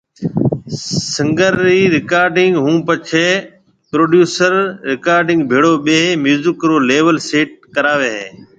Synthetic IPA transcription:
səŋɡəɾːiːɾɪkaːɾɖɪŋɡɦũːpət͡ʃʰeː | pɾoːɖjuːsəɾɾɪkaːɾɖɪ̃ŋɡbʱeːɽoːɓeːmjuːzɪkɾoːleːʋəlseːʈ̚kəɾaːʋeːɦeː

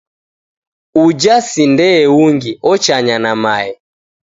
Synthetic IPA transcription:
ud͡ʒasindɛːwuŋɡiʔɔt͡ʃaɲanamaɛ

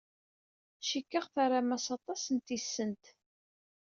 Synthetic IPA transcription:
ʃikːəʁθaɾˤamæsɑt̪ˤɑsənt̪isːənt̪

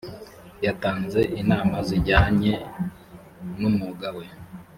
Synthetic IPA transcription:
jataːnze̞ʔinaːmaziɾɟaːɲe̞ | numuɡawe

